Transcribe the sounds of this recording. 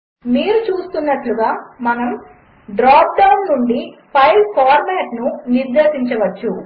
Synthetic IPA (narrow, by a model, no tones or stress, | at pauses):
miːɾut͡ʃuːst̪unːɐʈluɡaːmɐnɐm | ɖɾaːp̚ɖɐwnːuɳɖipʰɐjlkaːɾmaːʈnuniɾd̪eːʃiɲt͡ʃɐʋɐt͡ʃːu